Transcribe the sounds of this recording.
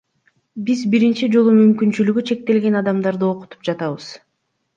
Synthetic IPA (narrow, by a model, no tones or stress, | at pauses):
bizbiɾint͡ʃid͡ʒo̞lˠumymkynt͡ʃylyɡyt͡ʃʰe̞k̚t̪e̞lɡe̞nɑd̪ɑmd̪ɑɾd̪ɯo̞qu̥t̪u̥p̚d͡ʒɑt̪ɑβɯz̥